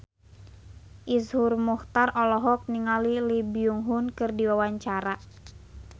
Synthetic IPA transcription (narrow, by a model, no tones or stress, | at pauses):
ʔishurmuht̪arɔlɔɦɔk̚niŋalilibiuŋɦunkɨrdiwawaɲt͡ʃaɾa